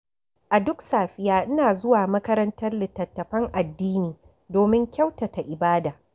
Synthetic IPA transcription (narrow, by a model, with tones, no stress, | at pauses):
ʔa˨dʊ˦ksaː˨ɸɪ˨jaː˦ʔɪ˦naː˨zʊ˦waː˨mɐ˦kɐ˦ɾɐ˦ntɐ˦rlɪ˨tːɐ˨tːɐ˨ɸɐ˦ŋʔa˨dːiː˦niː˨ | doː˨mɪ˦ŋkʲɐ˦wtɐ˨ta˨ʔɪ˨baː˦daː˨